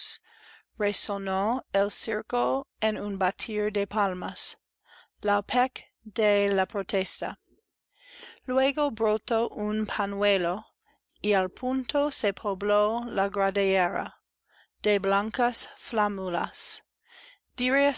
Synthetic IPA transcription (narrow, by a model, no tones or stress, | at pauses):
s | ɹesonoelsiɾkoenunbat̪ʰiɾd̪epʰalmas | lapʰek | d̪elapɾot̪ʰest̪a̰ | lweɡobɾot̪oʔunpʰanwelo | ialpʰunt̪osepʰoblolaɡɾadeeɾa̰ | d̪̥eblaŋkasflamula̰s | d̪̥iɾe